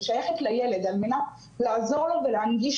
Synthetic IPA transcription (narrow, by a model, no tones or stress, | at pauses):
ʃajaχet̪lajeled̪almena | laʕazoʁlobelʕaŋɡiʃ